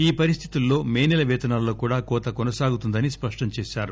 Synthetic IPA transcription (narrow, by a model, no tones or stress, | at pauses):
iːpɐɾist̪ʰi̥t̪ulːo̞ːmeːnilɐʋɛːt̪ɐnaːlːo̞ːkuːɽaːkɔːt̪ɐkɔnɐsaːɡut̪und̪ɐnispɐʂʈɐmt͡ʃeːʃaːɾu